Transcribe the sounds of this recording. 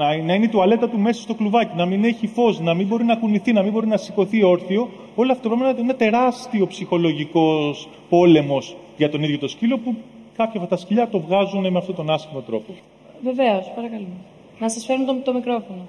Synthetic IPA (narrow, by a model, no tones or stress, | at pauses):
nɐinet̪uɐle̞t̪ɐt̪ume̞sɐst̪o̞kluvɐcinɐmine̞çifo̞snɐmimbo̞ɾinɐkuniθinɐmimbo̞ɾinɐsiko̞θio̞ɾθio̞ | o̞loɐft̪opɾomenɐt̪inɐt̪e̞ɾɐst̪io̞psixo̞loʝiko̞s | po̞le̞mo̞s | ʝɐt̪o̞niðʝo̞t̪o̞scilo̞pukɐpçɐfɐt̪ɐsciʎɐt̪o̞vɣɐzune̞meɐft̪o̞t̪o̞nɐsçimo̞t̪ɾo̞po̞ | ve̞ve̞o̞spɐɾɐkɐlu | nɐsɐsfe̞ɾunt̪ot̪omikɾo̞fono